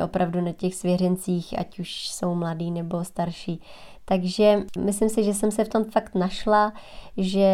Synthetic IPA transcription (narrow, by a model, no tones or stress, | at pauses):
ʔo̞pɾavdunacɛxsvjɛrɛnt͡siːxʔa̰cuʃso̞wmladiːnɛbo̞st̪aɾʃiːt̪aɡʒɛmɪslɪmsɪʒɛsɛmsɛft̪o̞mfakt̪naʃlaʒɛ